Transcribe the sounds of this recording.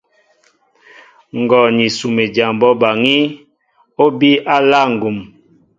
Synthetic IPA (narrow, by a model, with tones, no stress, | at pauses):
ŋ˨ɡɔ˨ni˨su˨me˨d͡ʒa˨mbɔ˦ba˨ŋi˦ | o˦bi˦ʔa˦la˦˨ŋ˨ɡu˨m